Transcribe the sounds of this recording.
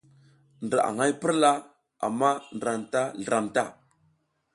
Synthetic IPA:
ndɾa˨ʔa̰˨ŋa˦jpə˦ɾla˦ | a̰˨mːa˦n˨ɾa˨nta˦ɮɾa˨mta˦˨

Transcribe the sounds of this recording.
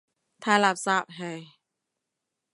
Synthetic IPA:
t̪ʰaː˧˩la˧˩p̚saː˧˩p̚ɦa˧˩j

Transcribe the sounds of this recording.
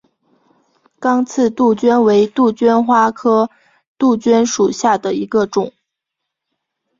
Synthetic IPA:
kɑ˥ŋt͡sʰɹ̩˥˧t̪u˥˩t͡ɕɥɛ˥nwe˧˥ɪt̪u˥˩t͡ɕɥɛ˥nxwa˥kʰɤ˥ | t̪u˥˩t͡ɕɥɛ˥nʂu˨˩ɕja˥˩d̪ə˩i˧˥ɡə˧ʈ͡ʂʊ˨˩˦ŋ

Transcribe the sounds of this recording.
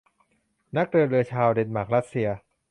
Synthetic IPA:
na˦˥k̚ɾɯː˧ɾɯ˧ɐt͡ɕʰaː˧wde˧n̚maː˨˩k̚ɾa˦˥t̪̚si˧ɐ

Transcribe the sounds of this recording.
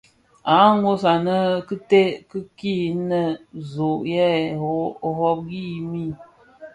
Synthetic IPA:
a˨˦ŋo˦s̬a˨nə˦kə˦te˦kə˦ki˦˨˦nə˨zo˨ʔjɛ˦˨ | ɦɔ˦p̚ɡi˦˨mi˦˨

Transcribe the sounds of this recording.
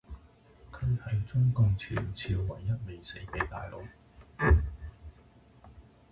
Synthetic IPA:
kʰɵ˨˧ɥhɐ˨jt͡sʊ˥ŋkʊ˨˧ŋt͡sʰḭː˨˩nt͡sʰiː˧wːɐ˨˩jːɐ˥t̚me˨jse˨˥jpe˨˧˥jt̪a̰ː˨jlo˨˥w

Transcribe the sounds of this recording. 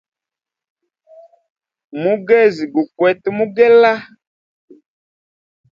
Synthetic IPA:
mu˦ɡɛ˦˨zi˨ɡu˨kwɛ˨tmu˦ɡɛ˦la˦

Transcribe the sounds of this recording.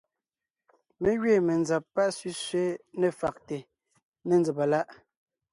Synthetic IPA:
me˦ɣɥeː˦˨me˨nza˨pːa˦ʔsɥi˦sɥe˦nɛ˨fa˨k̚te˨ | ne˨nd͡zɛ˨pa˨la˦ʔ

